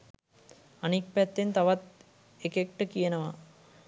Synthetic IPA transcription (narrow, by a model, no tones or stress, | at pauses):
ɐnik̚pæt̪ːent̪ɐʋat̪̚ | ekek̚ʈːəkijənəʋa